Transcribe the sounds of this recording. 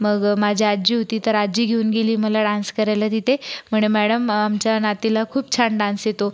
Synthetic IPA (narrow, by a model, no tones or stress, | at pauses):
məɡmad͡ʑʱiad͡ʑiːɦot̪iːt̪əɾad͡ʑiːɡʱeuːnɡeliːməlaɖãnskəɾajlət̪it̪ʰem̤əɳ̃emæɽəmamt͡ɕjanat̪ilakʰuːp̚t͡ɕʰaɳɖãnsjet̪o